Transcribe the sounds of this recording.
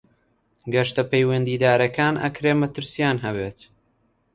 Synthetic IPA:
ɡɐʃt̪ɐpɛjwɐnd̪iːd̪aːɾɐkaːnʔɐ̰kɾeːmɐt̪ɨɾsijaːnɦɐβeːt̪

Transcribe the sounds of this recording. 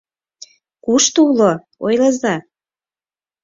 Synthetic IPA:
kuʃt̪ulo | ojləzɑ

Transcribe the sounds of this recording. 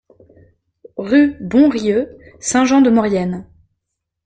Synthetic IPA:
ʁybɔ̃ʁjøsɛ̃ʒɑ̃d̪əmɔʁjɛn

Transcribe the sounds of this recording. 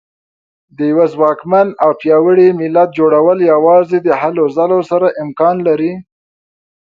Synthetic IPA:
d̪əjawazwɑkmanawpjɑwəɽimɪlat̪̚d͡ʒoɽawəljawɑzed̪əhalozalosaɾaʔɪmkɑnlaɾi

